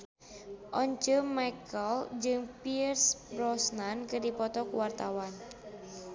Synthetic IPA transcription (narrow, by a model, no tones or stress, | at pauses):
ʔɔɲt͡ʃɔmajkəld͡ʒɨŋpirsrɔsnankɨdipɔt̪ɔkuwart̪awan